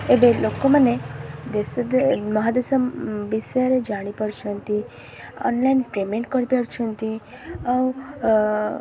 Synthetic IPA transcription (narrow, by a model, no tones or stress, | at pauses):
ebelokomaned̪esd̪mɔɦad̪esəmbisɾed͡ʒaɽ̃ipəɽt͡ʃʰunt̪i | ɔ̰nlainpɾemeɳʈkəɾpəɽt͡ʃʰunt̪i | aw